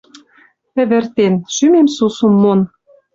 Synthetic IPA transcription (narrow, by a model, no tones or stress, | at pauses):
ɘ̆βɘ̆rt̪enʃymemsusumːon